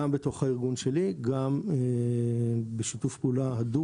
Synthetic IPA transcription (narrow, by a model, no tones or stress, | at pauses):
ambeto̞χhaiʁɡunʃe̞liɡame | beʃitufpulaɦad̪u